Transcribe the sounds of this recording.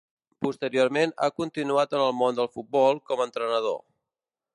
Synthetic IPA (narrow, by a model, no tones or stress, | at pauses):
pust̪əɾioɾmena̰kunt̪inuat̪ənəlˠmond̪əlˠfut̪̚bɔlˠkɔmənt̪ɾənəð̞o̰